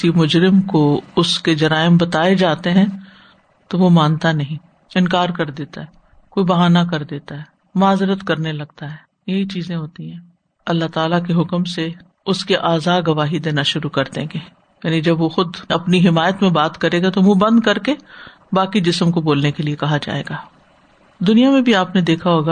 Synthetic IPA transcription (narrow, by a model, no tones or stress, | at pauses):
imʊd͡ʒɾɪmkoʊsked͡ʒɐɾaːɪmbɐt̪aːed͡ʒaːt̪eɦɛ̃ | t̪oʋomãːnt̪anɐɦĩ | ɪnkaːɾkɐɾd̪eːt̪aɦɛː | koːibɐɦaːnakɐɾd̪eːt̪aɦɛː | maːzɾət̪kɐɾnelɐɡt̪aɦɛː | jɐɦit͡ʃiːzẽɦoːt̪iɦɛ̃ | ɐlːaɦt̪aːlak̬eɦʊkmse | ʊskeʔaːzaːɡɐʋaːɦid̪eːnaʃʊɾukɐɾd̪ḛ̃ːɡeː | jaːnid͡ʒɐbʋoxʊd̪ɐpniɦɪmaːjət̪mẽbaːt̪kɐɾeːɡat̪oʋũbɐ̃nd̪kɐɾke | baːkid͡ʒɪsmkoboːlnekeliekɐɦad͡ʒa̰ːḛːɡaː | d̪ʊnijamẽbʱiaːpned̪eːkʰaɦoːɡa